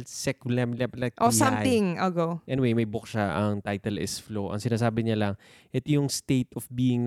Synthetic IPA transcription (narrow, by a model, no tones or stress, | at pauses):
lsɛklɛmlɛplɐʔosãmt̪ɪŋɐɡoʔɛnɪwejmɐjbʊkʃaʔɐŋt̪ajt̪ɛlɪ̰sfloʔɐ̰ŋsɪnaːs̬aːbɪɲalɐŋ | ʔɛt̪ojʊŋst̪ejt̪ɔfbiːɪŋn